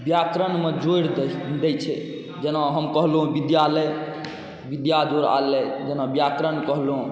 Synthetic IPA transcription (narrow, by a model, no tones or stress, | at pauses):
bjakɾənmed͡ʒoɾd̪et͡ʃʰɛ | d͡ʒenaɦəmkəɦlɦũbid̪jaləj | bid̪jad͡ʒoɾa̰lɛd͡ʒenabjakɾənkəɦlɦũ